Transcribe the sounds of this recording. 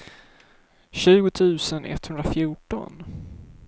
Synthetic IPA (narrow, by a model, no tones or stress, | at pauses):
ɕʉ̟ːɡʊt̪ʰʉ̟ːsənʔɛ̰t̪ːhɵnd̪ɾafjuːʈɔ̰n